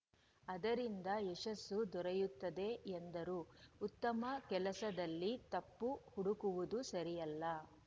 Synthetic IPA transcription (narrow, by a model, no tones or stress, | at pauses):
ɐd̪ɐɾind̪ɐeʃɐsːud̪ɔɾɐjut̪ːɐd̪e̞end̪ɐɾuːut̪ːɐmɐkɛlɐsɐd̪ɐlːit̪ɐpːuhuɽukuʋud̪usɐɾijɐlːɐ